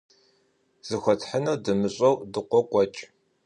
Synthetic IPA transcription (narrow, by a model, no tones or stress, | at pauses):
z̥ɨxʷɔtʰħənɐdɨmɨɕʼɐwdɨqʷɔqʷʼɔt͡ʃʼ